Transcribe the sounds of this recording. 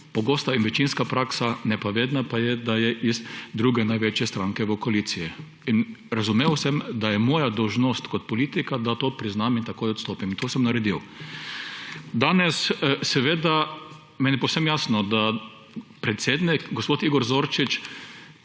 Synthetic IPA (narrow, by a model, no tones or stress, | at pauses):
pɔɡoːst̪ainʋɛt͡ʃinskapɾaksanɛpaʋeːd̪napajɛd̪ajɛʔizd̪ɾuːɡɛnajʋeːt͡ʃjɛst̪ɾaːŋkɛʋɔkoalit̪siji | inɾazumeːwsɛmd̪ajɛmoːjad̪ɔwʒnoːst̪kɔt̪pɔliːt̪ikad̪at̪oːpɾiznamint̪akoːjɔt̪st̪oːpimnt̪oːsɛmnaɾɛd̪iw | d̪aːnɛssɛʋeːd̪a | mɛːnjɛpowsɛmjaːsnɔd̪a | pɾɛt̪seːd̪nikɡɔspoːt̪iːɡɔɾzoːɾt͡ʃit͡ʃ